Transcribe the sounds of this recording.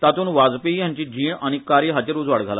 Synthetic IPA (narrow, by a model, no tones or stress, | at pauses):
t̪at̪uːnʋad͡zpijãɲt͡ɕiːd͡ʑiːɳaɽ̃ikaɾjəɦat͡ɕeɾud͡zʋaɽɡʱala